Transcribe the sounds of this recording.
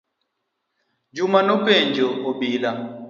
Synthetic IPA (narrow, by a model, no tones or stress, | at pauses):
d͡ʒumanokeɲd͡ʒooɓila